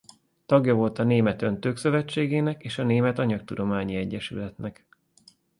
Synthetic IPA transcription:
t̪ɒɡjɒvo̞lt̪ɒneːmɛt̪ø̞nt̪øːksø̞vɛt͡ʃːeːɡeːnɛkeːʃɒneːmɛt̪ɒɲɒkt̪ud̪o̞maːɲiɛɟːɛʃy̰lɛt̪nɛk

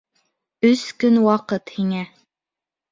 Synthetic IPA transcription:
ɵskɵnwɑqɤt̪hiŋæ

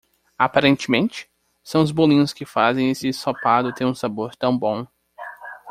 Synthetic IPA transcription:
apaɾẽnt͡ʃɪmẽnt͡ʃɪ̥ | sɐ̃w̃ʊzbolĩɲʊskɪfazẽj̃esɪsopad̪ʊt̪ẽj̃ũsaboɾt̪ɐ̃w̃bõ

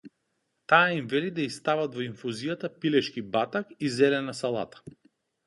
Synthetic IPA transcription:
t̪aːimvɛlid̪aist̪avad̪vɔinfuzijat̪apilɛʃkibat̪akizɛlɛnasalˠa̰t̪ḁ

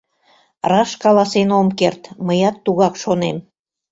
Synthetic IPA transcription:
rɑʃkɑlɑsenomkert̪məjɑt̪ːuɣɑkʃonem

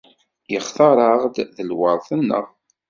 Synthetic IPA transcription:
jəχθɑɾˤɑʁd̪ðəlwəɾˤθənːə̰ʁ

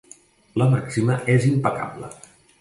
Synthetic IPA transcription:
ləmaksiməʔezimpəka̰blə̰

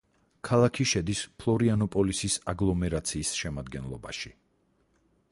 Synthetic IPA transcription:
kʰalˠakʰiʃɛd̪ispʰlˠɔɾianɔpʼɔlisisaɡlˠɔmɛɾat̪sʰiːsʃɛmad̪ɡɛnlˠɔba̰ʃi

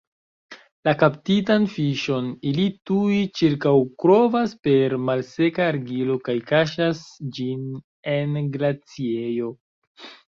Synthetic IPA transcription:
lakaptitanfiʃo̞nilituit͡ʃiɾkawkɾo̞vaspe̞ɾmalse̞kaːɾɡilo̞kajkaʃasd͡ʒin | e̞nɡlat͡siejo̞

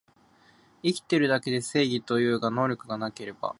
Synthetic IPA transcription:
ikʲi̥t̪e̞ɾɯ̟d̪ake̞d̪e̞se̞ːɡʲit̪o̞jɯ̟ːɡano̞ːɾʲo̞kɯ̟ɡanake̞ɾe̞ba̰

